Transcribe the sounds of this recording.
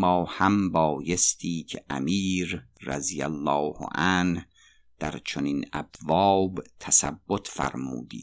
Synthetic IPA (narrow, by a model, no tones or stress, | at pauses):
mɒːhæmbɒːjest̪ʰiːcʰeʔæ̰miːɾː | æ̰zijæ̰lːɒːhʔæn | d̪̥æɾt͡ʃʰoniːnæ̰bvɒːbt̪ʰæsæbːot̪ʰfæ̰ɾmṵːd̪ḭ̥ː